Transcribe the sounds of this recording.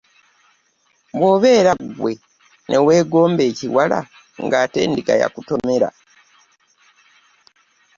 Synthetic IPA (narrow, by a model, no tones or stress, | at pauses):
mwoβe̞ːɾaɡwe̞ | nʔe̞we̞ːɡo̞ːmbe̞ːciwala̰ | ŋɡaːte̞̰ːndiɡaja̰kuto̞me̞ɾa̰